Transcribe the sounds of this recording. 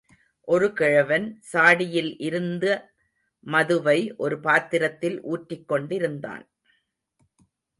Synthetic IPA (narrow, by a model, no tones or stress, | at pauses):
ʔɔɾɯkɛɻɐʋɐnsaːɽɪjɪlʔɪɾɯnd̪ɐ | mɐðɯʋɐɪʔɔɾɯpaːt̪ːɪɾɐt̪ːɪlʔuːʈɾɪkːɔɳɖɪɾɯnd̪a̰ːn